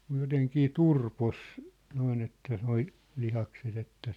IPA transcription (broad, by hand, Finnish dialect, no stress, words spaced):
mŭj joteŋkiː turpos noin etːæ noi lihɑkset etːæ